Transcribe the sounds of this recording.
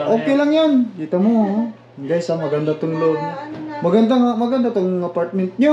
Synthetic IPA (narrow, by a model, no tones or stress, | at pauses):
ʔoːkelaŋjankit̪amʊa | ɡajsamaɡand̪at̪ʊŋloɡmaɡand̪aŋamaɡand̪at̪ʊŋapaɾt̪̚mɛnt̪̚ɲo